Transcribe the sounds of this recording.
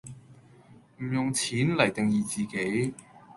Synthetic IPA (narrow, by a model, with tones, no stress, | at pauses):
m̩˨˩jʊ˨˩ŋt͡sʰiː˨˥nlɐ˨˩jt̪ɪ˨ŋjiː˨t͡siː˨˩ke˨˥j